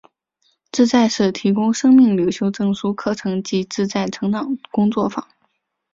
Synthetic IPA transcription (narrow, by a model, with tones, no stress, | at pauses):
ʈ͡ʂɻ̩˥˧t͡sa˥˧ɪʂɻ̩˥˩t̪ʰi˧˥kʊ˥ŋʂɤ˥ŋmi˥˩ŋlji˨˩ʊɕjo˥ʊʈ͡ʂɤ˥˩ŋʂu˥kʰɤ˥˩ʈ͡ʂʰɤ˧˥ŋt͡ɕi˧˥ʈ͡ʂɻ̩˥˧t͡sa˥˩ɪʈ͡ʂʰɤ˧˥ŋt̪ɑ˨˩˦ŋkʊ˥ŋt͡swɔ˥˩fɑ̰˨˩˦